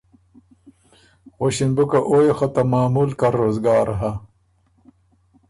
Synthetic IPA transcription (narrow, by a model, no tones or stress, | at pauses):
ɣoɕinbukɐʔoːjexot̪ɐmaːmulkɐɾːoːzɡaːɾɦɐ